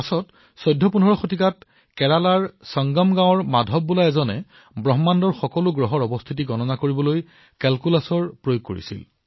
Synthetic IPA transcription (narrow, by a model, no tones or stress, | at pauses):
asɔt | sɔjdʱːɔpunɦɔɹɔxotikat | kɛɹalaɹsɔŋɡɔmɡãw̃ɔɹmadʱɔb̚ːulaɛzɔnɛ | bɹɔɦmandɔɹxɔkɔlʊɡɹɔɦɔɹɔbɔst̪ʰitiɡɔnɔnakoɹibɔloj | kɛlkulasɔɹpɹojoɡ̚ko̰ɹḭsḭl